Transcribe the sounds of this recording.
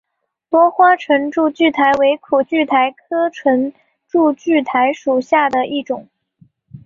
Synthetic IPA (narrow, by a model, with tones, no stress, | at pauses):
t̪wɔ˥xwa˥ʈ͡ʂʰə˧˥nʈ͡ʂu˥˧t͡ɕy˥˩t̪ʰa˧˥ɪwe˧˥ɪkʰu˨˩t͡ɕy˥˩t̪ʰa˧˥ɪkʰɤ˥ʈ͡ʂʰə˧˥n | ʈ͡ʂu˥˧t͡ɕy˥˩t̪ʰa˧˥ɪʂu˨˩ɕja˥˩d̪ə˩ʔi˥˩ʈ͡ʂʊ˨˩˦ŋ